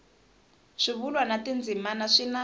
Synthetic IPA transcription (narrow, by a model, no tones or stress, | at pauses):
ʂiβulwanatʼind͡zʱimanaʂina